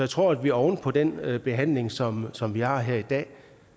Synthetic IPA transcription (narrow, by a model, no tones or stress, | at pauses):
jaɪt͡sʰʁo̝ɐ̰æd̥ʋiæɒʊn̩pʰɒ̽d̥en̰b̥e̝ɦæn̰le̝ŋsɒ̽msɒ̽mʋihɑ̈ɦeɐ̰id̥ɛ̰ː